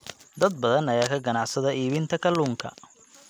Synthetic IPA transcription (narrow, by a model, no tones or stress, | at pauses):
d̪ɐd̪̚bɐðɐnɐjaːkʰɐɡɐnɑʕsɐðɐʔiːβɪnt̪ʰɐkʰɐlːuːŋkʰɐ̰